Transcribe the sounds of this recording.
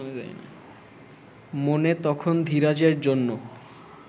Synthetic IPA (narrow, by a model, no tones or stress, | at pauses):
oed̪a̰j̰na̰ | monet̪ɔkʰond̪ʱiɾad͡ʑeɾd͡ʑonːo